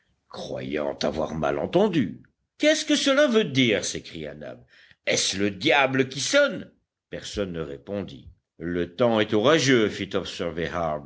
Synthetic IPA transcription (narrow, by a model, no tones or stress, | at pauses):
kχwa̰jɑ̰̃t̪a̰vwa̰ʁma̰lɑ̰̃t̪ɑ̃d̪y | kɛskəsəlavød̪iʁsekχija̰na̰b | ɛsləd̪jabləkʲisɔn | pɛʁsɔnːəʁepɔ̃d̪ḭ | lət̪ɑ̃ɛt̪ɔʁaʒøfit̪ɔbsɛʁvehab